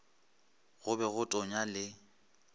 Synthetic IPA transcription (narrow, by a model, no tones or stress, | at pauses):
ɣʊbɛɣʊtʼɔɲalɪ